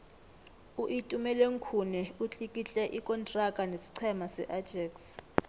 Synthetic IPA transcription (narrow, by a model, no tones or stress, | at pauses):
uʔitʼumɛlweŋ̩kʰunɛut͡ɬʼikʼit͡ɬʼɛʔikʼɔntʼrakʼanesi̥ǀʰɛmasɛ̰ʔadd͡ʒʱɛks